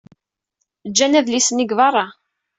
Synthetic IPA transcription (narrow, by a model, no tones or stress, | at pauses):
d͡ʒːænæðlisəniɡvɑrˤɑ